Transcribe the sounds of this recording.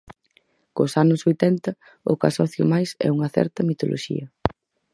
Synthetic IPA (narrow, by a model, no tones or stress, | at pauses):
kʊsanʊsojt̪ɛnt̪ɐ | ʊka̰sɔθjʊ̰majsɛ̰uŋɐθɛ̰ɾt̪ɐmit̪olʔo̰ʃḭɐ